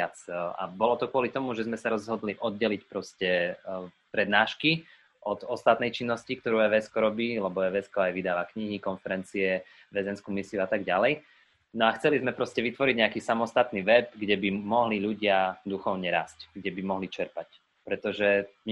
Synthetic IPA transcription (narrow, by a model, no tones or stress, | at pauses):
at͡sa̰bɔlɔt̪ɔkʊɔlit̪ɔmuʒɛzmɛsaɾɔzɦɔd̪liʔɔd̪̚ɟɛlicpɾɔscɛ | pɾɛd̪naːʃki | ʔɔd̪ɔst̪at̪nɛjt͡ʃinːɔscikt̪ɔɾuːɛʋɛskɔɾɔbiːlɛbɔɛʋɛskɔajʋid̪aːʋakɲiɦikɔnfɛɾɛnt͡siɛ | ʋɛzɛnskumisiuat̪aɡɟalɛj | nɔaxt͡sɛlizmɛpɾɔscɛʋit̪ʋɔɾiɟɲɛakiːsamɔst̪at̪niʋɛbɡɟɛbimɔɦliʎuɟɪad̪uxɔʊɲɛɾa̰ːscɡɟɛbimɔɦlit͡ʃɛɾpac | pɾɛt̪ɔʒɛ